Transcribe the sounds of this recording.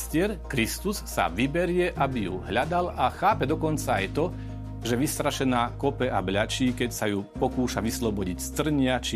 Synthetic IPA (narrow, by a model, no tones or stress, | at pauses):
scɪɛɾkɾist̪usːa̰ʋibɛɾɪɛʔabijṵɦʎad̪alaxaːpɛd̪ɔkɔnt͡saajt̪ɔ | ʒɛʋist̪ɾaʃɛnaːkɔpɛʔabʎat͡ʃiːkɛcsajupɔkuːʃaʋislɔbɔɟicst̪r̩ɲɪat͡ʃi